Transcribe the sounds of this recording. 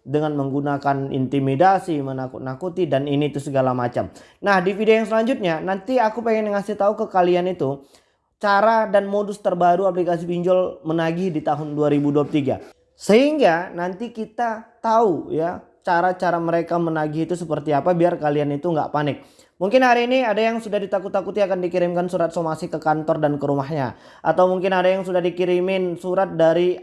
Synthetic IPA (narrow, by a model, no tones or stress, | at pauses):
dəŋanməŋɡunakanḭnt̪imidasimənakṵt̪nakut̪idaninit̪usəɡalamat͡ʃa̰m | nahdifidiajaŋs̬əlaɲd͡ʒʊt̪̚ɲanant̪iakupeŋɛnəŋasɪht̪aukəkalianit̪u | t͡ʃaɾadanmodʊst̪ərbaɾuap̬likas̬ibiɲd͡ʒɔlmənaɡɪhdit̪aɦʊnduaɾibuduaplt̪iɡa̰ | səɦiŋɡanant̪ikit̪at̪auja | t͡ʃaɾat͡ʃaɾaməɾekamənaɡɪɦit̪usəpərt̪iapabiarkalianit̪uŋɡa̰ʔpanɪk̚ | muŋkɪnɦaɾiːniadajaŋsudahdit̪akut̪ːakut̪iakandikiɾɪmkansuɾat̪̚somasikəkant̪ɔrdankəɾumaɦɲa̰ | ʔa̰t̪awmuŋkɪnadajaŋsudahdikiɾimɪnsuɾat̪̚daɾi